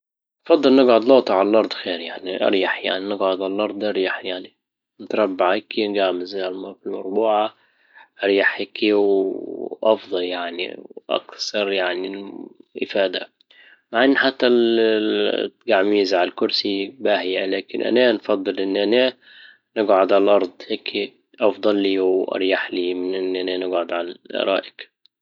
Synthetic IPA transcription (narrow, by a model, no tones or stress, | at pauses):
nfɑd̪ˤːɨlnɪɡʕʊd̪loːt̪ˤʕallʔɑɾˤd̪ˤxeːɾjaʕniʔɑ̰ɾjaħja̰ʕninɪɡʕʊd̪ʕallʔɑɾˤd̪ˤʔɑɾjaħjaʕni | nt̪ɾˤɑbːaʕɪkinɡaʕmɪzalmfilmʊɾˤbuːʕa | ʔɑɾjaħekiw | ʔɑfd̪ˤɑljaʕnḭʔɑ̰kθɑɾˤjaʕniʔɪfaːd̪a | maʕʔɪnːħat̪ːæ | ɡaʕmiːzʕalkʊɾsibahjalæːkɪnʔa̰nanfɑd̪ˤːɨlʔɪnːʔanæ | nɪɡʕʊd̪ʕallʔɑɾˤd̪ˤhekʰi | ʔɑfd̪ˤɑlːiːwʔɑ̰ɾˤjaħliːmɪnʔɪnːʔananɪɡʕʊd̪ʕalʔɾˤɑ̰ːʔɪk